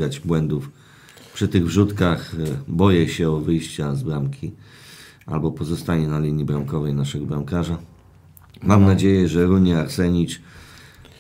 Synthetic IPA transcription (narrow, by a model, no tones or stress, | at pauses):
ɡad͡ʑbwɛnd̪uf | pʂɘt̪ɘɣvʐut̪kaxbɔjɛɕɛɔvɘjɕt͡ɕazbɾamkʲʰi | a̰lbɔpɔzɔst̪aɲɛnalʲiɲːibɾamkɔvɛjnaʂɛɡɔbɾamkaʐa | mamnad͡ʑejɛʐɛɾuɲiaɾsɛɲit͡ʂ